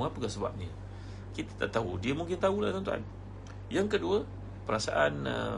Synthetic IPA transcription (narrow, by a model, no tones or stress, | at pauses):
ŋapəkasəba̰p̚ɲə | kit̪ḁt̪a̰ʔt̪audiəmuŋkɪnt̪aulat̪ɔnt̪ua̰n | jaŋkəduə | pəɾasa̰ʔanə̰